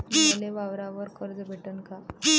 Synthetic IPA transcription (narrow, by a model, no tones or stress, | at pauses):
leʋaʋɾaʋəɾkəɾd͡z̪əbʱeʈənka